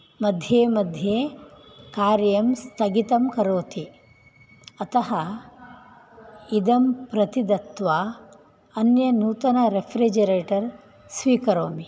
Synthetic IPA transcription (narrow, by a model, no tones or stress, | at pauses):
mɐd̪ʱjeːmɐd̪ʱjeːkaːɾjɐmst̪ʰɐɡit̪ɐmkɐɾoːt̪i | ɐt̪ɐɦɐ | id̪ɐmpɾɐt̪id̪ɐt̪ʋa | ɐnjɐnuːt̪ɐnɐɾepʰɾid͡ʒɐɾeːʈɐɾ | sʋiːkɐɾoːmi